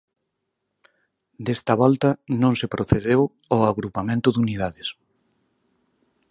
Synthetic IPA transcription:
d̪est̪ɐβɔlt̪ɐnõŋsɪpɾoθeðew | oaɣɾupamẽnt̪ʊðuniðaðɪs

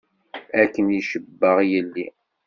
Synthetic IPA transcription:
ækːəniʃəbːəʁjəlːi

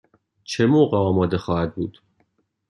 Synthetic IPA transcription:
t͡ʃʰemoːɢeɒːmɒːd̪exɒːhæd̪̚bṵːd̪̥

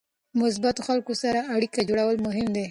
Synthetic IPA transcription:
mʊs̬bat̪oxalkosaɾaːɽikad͡ʒoɽawəlmʊɦɪmd̪e

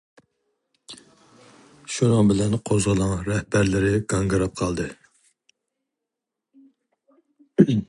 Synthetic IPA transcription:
ʃunəŋbɪlɛnqʰozʁəlˠɑŋɾɛhbæɾlɪɾɪɡɑŋɡɨɾɨp̚qʰɑlˠd̪ɨ

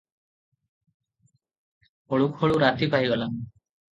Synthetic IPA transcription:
ɔɭukhɔɭuɾat̪ipaɦiɡɔlam

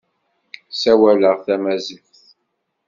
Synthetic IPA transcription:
sæwæləʁθæmæzifθ

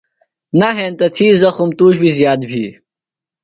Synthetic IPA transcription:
naɦẽːnt̪ɐt̪ʰiːzɐxumt̪uːɕbizjaːd̪bʱiː

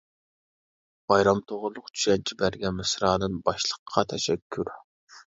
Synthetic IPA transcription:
b̥ɑjɾɑmt̪ʰoʁʊɾlˠʊqt͡ʃʰy̥ʃɛnt͡ʃʰibæɾɡʲɛmɨsɾɑːd̪ɨnbɑʃlˠəqʰːɑt̪ʰɛʃɛkʲʰːyɾ

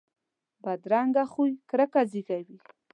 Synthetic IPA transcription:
bad̪ɾaŋɡaxujkɾakaziɡawi

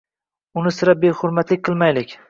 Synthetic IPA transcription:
ʊnɪsɪɾabehʊɾmat̪lɪk̚ʲqʰɨlˠmajlɪkʲ

